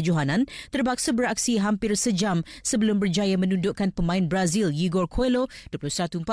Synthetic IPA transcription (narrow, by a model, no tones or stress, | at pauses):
d͡ʒuɦanãnt̪ərbak̚sabəɾak̚siɦampɪrsəd͡ʒamsəbəlʊmbərd͡ʒajamə̃nundʊʔkanpəmãɪnbɾazilɡiɡɔrkʰoloduəpulʊsəat̪uəmpa